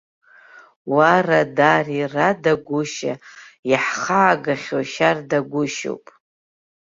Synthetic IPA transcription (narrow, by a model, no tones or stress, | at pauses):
waradariradaɡʷʊʃa̰jaħχaːɡaχʲoʃardaɡʷʊʃo̰wpʼ